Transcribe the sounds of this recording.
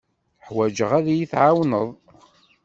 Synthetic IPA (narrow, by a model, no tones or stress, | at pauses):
ħwæd͡ʒəʁæðjiθʕawnəðˤ